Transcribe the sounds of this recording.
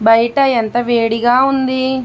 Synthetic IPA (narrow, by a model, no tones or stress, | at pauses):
bɐjʈɐjɐnt̪ɐʋeːɽiɡaːund̪i